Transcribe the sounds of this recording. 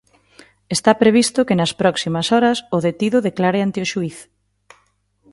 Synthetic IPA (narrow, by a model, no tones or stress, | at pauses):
est̪apɾeβ̞ist̪ʊkenɐspɾɔksimɐsɔɾɐsʊðet̪iðʊðeklaɾeant̪eoʃuiθ